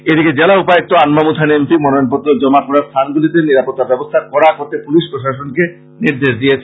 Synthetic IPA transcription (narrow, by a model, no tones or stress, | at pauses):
ed̪iked͡ʑelaupaek̚t̪oanmamut̪ʰanemsimɔnoonpɔt̪ːɾod͡ʑɔmakɔɾaɾst̪ʰanɡulit̪eniɾapot̪ːabɛbost̪ʰakɔɾakoɾt̪epuliʃpɾoʃaʃonke | niɾd̪eʃd̪ijet͡ɕʰ